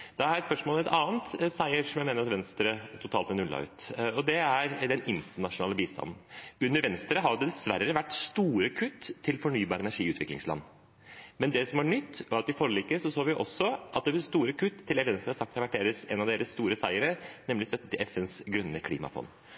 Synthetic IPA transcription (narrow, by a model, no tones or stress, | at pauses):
d̪̥ɑæɾɛt̪spœʂmoːlɔmɛt̪ʰɑːnt̪sæɪəɾsɔmjæɪmeːnəɾɑt̪ʋɛnst̪ɾət̪ʰʊt̪ʰɑːlt̪mɛnʉlːɑ̰ʉ̰ːt̪ɔd̪ɛæɾd̪ɛnɪnt̪əɳɑʂʊnɑ̰ːləbiːst̪ʰɑ̰nn̩ʉnːəɾʋɛnst̪ɾəɦɑjʊd̪ɛd̪ɛsʋæɾːəʋæʈːst̪uːɾəkʰʉt̪ʰːɪlfɔɳyːbɑːɾəɛnæɾʂiːʉːt̪ʋɪ̰klɪ̰ŋslɑ̰nː | mɛnd̪ɛsɔmæɳʏt̪ːɔɑt̪ɪfɔɾəliːkːəsɔsoːʋɪʔɔsːɔʔɑ̰t̪̚d̪ɛʋst̪uːɾəkʰʉt̪ʰːɪlɛt̪ʋɛnst̪ɾəhɑsɑkt̪hɑɾʋæʈ̚d̪eːɾəsɛnɑʋd̪eːɾəssːt̪uːɾəsæɪəɾənɛmlɪst̪œt̪ːət̪ɪlɛfɛnsɡɾʉnːəkʰlḭːmɑ̰fɔ̰n